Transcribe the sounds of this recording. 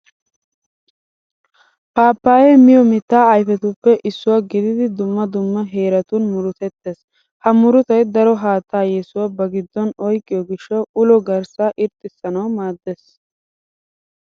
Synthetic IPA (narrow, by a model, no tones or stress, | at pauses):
paːpːaːjɛmɪjɔmɪt̪ːaːɐjfɛt̪ʊpːɛʔɪsːʊwaːɡɪd̪ɪd̪ɪd̪ʊmːɐd̪ʊmːɐɦe̞ːɾɐt̪ʊnmʊɾʊt̪ɛt̪ːeːs | hɐmʊɾʊt̪ɐjd̪ɐɾɔɦaːt̪ːaːjɛsʊwabɐɡɪd̪ːɔnɔjkʼːɪjɔɡɪʃːɐwʔʊlɔɡɐɾsaːʔɪɾt̪ʼːɪsːɐnɐwmaːd̪ːes